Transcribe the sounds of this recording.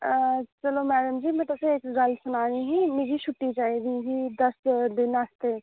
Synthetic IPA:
t͡ʃɐlomɛːdəmd͡ʒiːmɛ̃t̪ɐbseeːkzalsʊnaːniɦimed͡ʒʱiʃʰʊʈːit͡ʃaːid̪ĩɦid̪ɐsd̪ɪnast̪e

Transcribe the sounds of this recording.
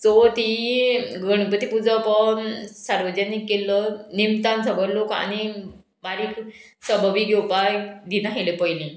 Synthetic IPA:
t͡sɔt̪iɡəɳ̃pət̪ipud͡zəpəɳsaɾʋəd͡ʑanikːelːɔnimt̪ansəbəɾloka̰ni | baɾik | səbəʋiɡɛwpajd̪inaɦelepəjlĩ

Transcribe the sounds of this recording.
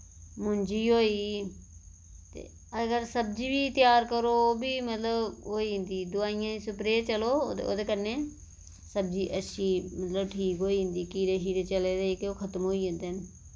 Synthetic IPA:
mʊnd͡ʒiːɦoːiː | t̪ḛː | əɡəɾsəb̚d͡ʒiːbiːt̪ɪjaːɾkəɾoːbiːmət̪ləbɦoːiːɦɪ̃nd̪iːd̪ʊaːijãːisʊpɾeːt͡ʃəlo̰ːo̰ːd̪eːkəɾneː | səb̚d͡ʒiːʔəʃʰiːmət̪ləbʈʰiːkɦoːiːɦɪ̃nd̪iːkiːɽeːɦiːɽet͡ʃəleːd̪eikeoːkʰət̪mɦoːiːẽːnd̪eːn

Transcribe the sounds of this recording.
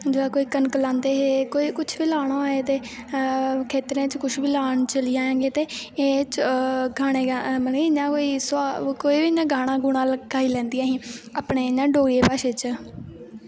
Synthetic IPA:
d͡ʒaːkoːiːkənkəlãːnd̪eːɦeːkoːiːkʊt͡ʃʰʋiːlaːɽ̃õːaːeːt̪eː | kʰeːt̪ɾẽːt͡ʃkʊʃbiːlaːɳt͡ʃəliːãːãːɡeːt̪eːeːt͡ʃɡaːɽ̃eːɡaməniɪɲãːkoːiːsaːkoːiːbiːnãːɡaːɽ̃ãːɡʊnaːlkaːiːlɛ̃ːnd̪iãːɦĩːaːpɳeːɲãːɖoːeːpaːʃeːt͡ʃ

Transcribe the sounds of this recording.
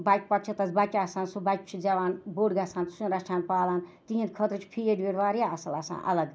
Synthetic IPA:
bajk̚pɐʈ̚t͡ʃʰɐt̪ɐsbakʲaːsaːnsubajk̚ʲt͡ʃʰid͡zɐʋaːnboːɖɡɐsãːnt̪ʰsũnɾɐsʈʰaːnpaːlaːnt̪iɦĩnd̪kʰət̪ɾɨt͡ʃʰpʰijeɖʋeɾʋaːɾijaɐsɐlɐsa̰ːnʔɐ̰lɐɡ

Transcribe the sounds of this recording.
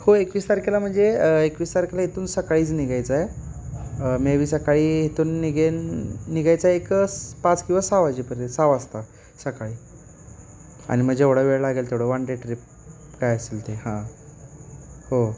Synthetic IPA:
hoekʋist̪aɾkɛlam̤əɳd͡zeekʋist̪aɾkɛlaɦit̪uːnsəkaɭiːt͡sniɡajt͡saj | meʋiːsəkaɭiːɦit̪uːnːiɡenːiɡajt͡sajekəpãt͡skĩw̃ʋasaʋad͡ʑipəɾesaʋast̪a | səkaɭiː | a̰ñim̤əd͡ʑeʋɽəʋeɭlaɡelt̪eʋɽəʋaɳɖeʈɾip̚ | kajəsilt̪ehã | ho

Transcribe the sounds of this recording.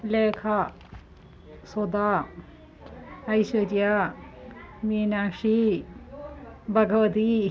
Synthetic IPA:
leːkʰa | sod̪aː | ɐjsɐɾja | miːnaːʂi | bʱɐɡɐʋɐt̪i

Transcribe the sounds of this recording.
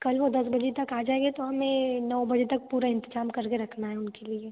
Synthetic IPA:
kɐlʋod̪ɐsbɐd͡ʒet̪ɐkaːd͡ʒaːeɡet̪oɦɐmẽnɐʋbɐd͡ʒet̪ɐk̚puːɾaɪ̃nt̪ɪd͡ʒaːmkɐɾkeɾɐkʰnaɦɛʊnkelie

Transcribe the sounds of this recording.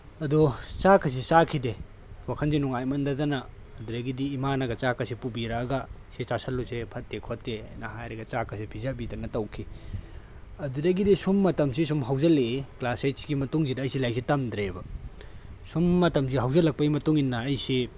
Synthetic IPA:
ɐdut͡ʃakʰɐs̬isakʰide | wakʰɐnzinuŋajmɐndɐdɐnɐː | duɾɐɡidiːmanɐɡɐt͡ʃakɐsipubiɾaːɡɐ | set͡ʃasɐlːusepʰɐtːekʰotːejnɐɦajɾeɡɐt͡ʃakʰɐsipʰizabidɐnɐtɐwkʰi | ɐduɾɐɡidisumːɐtɐmsis̬umɦawzɐleklasesɡimɐtuŋzidɐɐjsilajk̚sitɐmdɾebɐ | sumːɐtɐmsiɦawzɐlːɐk̚pɐɡimɐtuŋinːɐːjsi

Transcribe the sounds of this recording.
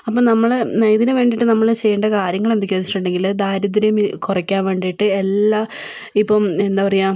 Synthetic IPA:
ɐpːonɐmːɐɭnejðinɨʋe̞ːɳɖiʈːɨnɐmːɐɭt͡ɕe̞jːuɳɖɐkaːɾjɐŋːɐɭend̪ikʲːoːit͡ɕːiʈːuɳɖe̞ŋɡild̪aːɾɐd̪iɾɐjmkurɐkʲːaːnʋe̞ːɳɖijiʈːɨelːa | ipːome̞nd̪aːpɐrɐjaː

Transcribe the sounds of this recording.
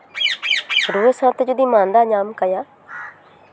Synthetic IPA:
ɾuːəsãːt̪d͡ʒʊd̪iːmãːnd̪aːɲaːmkəjaː

